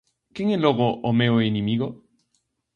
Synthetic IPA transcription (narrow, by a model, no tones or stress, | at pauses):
keŋeloɣoʔomeoenemiɣo